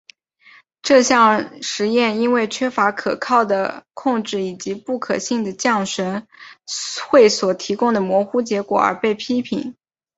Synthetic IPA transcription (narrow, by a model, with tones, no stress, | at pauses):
ʈ͡ʂɤ˥˧ɕjɑ˥˩ŋʂɻ̩˧˥jɛ˥˩ni˥nwe˥˩ɪt͡ɕʰɥɛ˥fa˧˥kʰɤ˨˩kʰɑ˥˩ʊd̪ə˩kʰʊ˥˧ŋʈ͡ʂɻ̩˥˩i˨˩t͡ɕi˧˥pu˥˩kʰɤ˨˩ɕi˥˩ŋd̪ə˩t͡ɕjɑ˥˩ŋʂə˧˥n | xwe˥˩ɪswɔ˨˩t̪ʰi˧˥kʊ˥ŋd̪ə˩mwɔ˧˥xu˥t͡ɕjɛ˧˥kwɔ̰˨˩ə̰˞˧˥pe˥˩ɪpʰi˥pʰḭ˧˥˦ŋ